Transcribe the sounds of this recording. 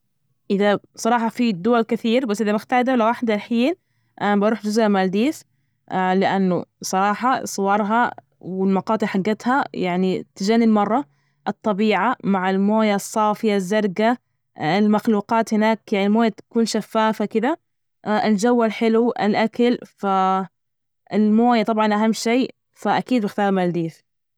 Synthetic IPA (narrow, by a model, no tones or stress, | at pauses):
ʔɪða | sˤɑɾˤɑːħɑfid̪ʊwalkɪθiːɾbasːʔɪðamɪxt̪aːd̪alawaħd̪alħiːn | ʔabɑɾuːħd͡ʒʊzʔamaːld̪iːs | ʔlɪʔanːʊsˤɑɾˤɑːħɑsˤɨwɑɾˤɦɑ | wɪlmɑqɑːt̪ˤɨħaɡːat̪hajaʕnit̪ɪd͡ʒanɪbmɑrˤːɑ | ʔɨt̪ˤːɑbiːʕamaʕɪlmoːjasˤːɑːfɪjazːɑɾˤɡa | ɪlmaxluːqɑːt̪hɪnaːkjaʕnilmoːjat̪ḁkuːnʃafːaːfakɪd̪a | ɪld͡ʒawːalħɪluʔɪ̰lʔakalfa | ɪlmoːjat̪ˤɑbʕɑnʔaɦamːʃeː | faʔakiːd̪bɪxt̪ɑːɾˤmald̪iːθ